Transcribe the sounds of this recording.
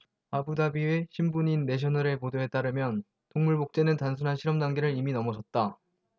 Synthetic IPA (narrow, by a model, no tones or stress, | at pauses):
abudabieɕʰimbuɲinːe̞ɕ̬ʰʌnɯɾe̞podoɦe̞t͈aɾɯmjʌn | toŋmuɭbok̚t͡ɕ͈e̞nɯntans̬ʰunɦanɕʰiɾʌmdaŋɡe̞ɾɯɾiminʌmʌsʰʌt̚t͈a